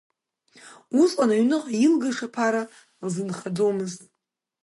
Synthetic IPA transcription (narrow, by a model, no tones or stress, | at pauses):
usʼqʼanaɥnɨqʼjilɡaʂapʰaɾa | zɨnχad͡zomɨztʼ